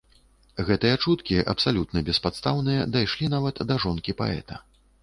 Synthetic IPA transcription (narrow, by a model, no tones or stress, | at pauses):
ɣɛt̪ɨjɐt͡ʂut̪kʲiʔɐ̰psalʲut̪nɐbʲɛspat̪st̪awnɨjɐd̪ajʂlʲinavɐt̪d̪ɐʐɔnkʲipa̰ɛ̰t̪ɐ